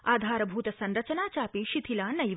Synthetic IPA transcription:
aːd̪ʱaːɾɐbʱuːt̪ɐsɐnɾɐt͡ʃɐnaːt͡ʃaːpiʃit̪ʰilaːnɐj

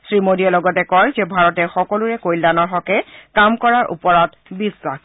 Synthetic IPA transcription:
sɹimodiɛlɔɡɔtɛkɔjzɛbʱaɹɔtɛxɔkɔlʊɹɛkojldanɔɹxɔkɛkamkɔɹaɹʔṵpɔɹat | bisak

